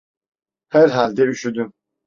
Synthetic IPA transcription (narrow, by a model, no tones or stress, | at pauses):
hæɾɦalʲd̪ɛyʃyd̪ym